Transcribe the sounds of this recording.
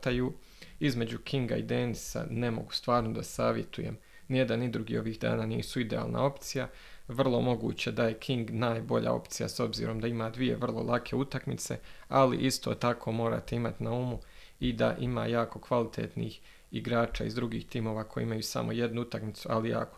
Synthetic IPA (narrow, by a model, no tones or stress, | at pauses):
t̪aju | izme̞d͡ʑukʰiŋɡaid̪e̞ːnisa̰ne̞mo̞̰ɡu̥st̪ʋaːɾnod̪asaːʋje̞t̪ṵje̞̰m | nijed̪anid̪ɾuɡḭːo̞ʋiːɣd̪a̰ːnaːniːsuid̪ea̰ːlˠna̰o̞pt̪sija | ʋr̩lˠo̞mo̞ɡṵːt͡ɕed̪aje̞kʰiŋɡnaːjbo̞ʎa̰o̞̰pt̪sija̰so̞bzḭːɾo̞md̪aimaːd̪ʋije̞̰ʋr̩lˠo̞̰lˠakʰe̞ut̪akmit̪se̞̰alḭʔist̪o̞̰ːt̪akʰo̞ːmo̞ːɾa̰ːt̪e̞imat̪inaumu | id̪a̰ʔima̰ːjaːko̞kʋalit̪ʰḛːt̪nḭːx | iɡɾaːt͡ʃa̰ːizd̪ɾuɡiːxt̪iːmo̞ːʋako̞j̰ḭimajusa̰mʔo̞je̞d̪nuut̪akmit̪sualija̰ːko